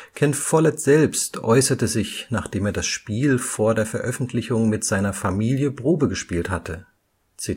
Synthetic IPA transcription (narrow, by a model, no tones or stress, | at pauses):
kʰɛnfɔlɛtz̥ɛlpstʔɔʏsɐtəzɪçnaːχd̥eːmeːɐdasʃpiːlfoːɐdeːɐfɛɐʔœfn̩tʰlɪçʊŋmɪtz̥aɪnɐfamiːljəbʁoːbəɡəʃpiːlthatʰə | t͡si